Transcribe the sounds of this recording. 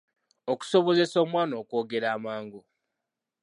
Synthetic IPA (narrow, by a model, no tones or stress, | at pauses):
oku̥so̞βo̞ze̞so̞ːmwaːnoːkoːɡe̞ɾaːmaːŋɡu